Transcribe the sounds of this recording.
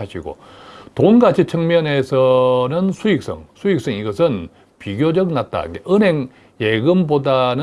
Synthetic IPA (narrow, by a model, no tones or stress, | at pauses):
aɕʰiɡo̰ | tonɡat͡ɕʰit͡ɕʰʌŋmjʌne̞sʰʌnɯnsʰuik̚s͈ʌ̰ŋsʰuik̚s͈ʌŋiɡʌsʰɯn | piɡjod͡ʑʌk̚nat̚t͈a̰ɯŋɡeʔɯnɦeŋ | jeɡɯmbodanɯ